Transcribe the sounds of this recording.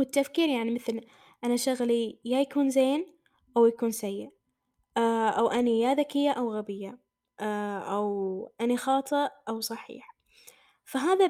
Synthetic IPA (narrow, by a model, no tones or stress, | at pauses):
wɪt̪ːafkiːɾjaʕnimɪθl | ʔanaʃaɣlijajakuːnzeːn | ʔawjakuːnsajːɪʔ | ʔaʔawʔanijaːðakɪjːaʔawɣabɪjːa | ʔʔawʔanixɑːt̪ˤɨʔʔawsˤɑħḭːħ | faɦaːða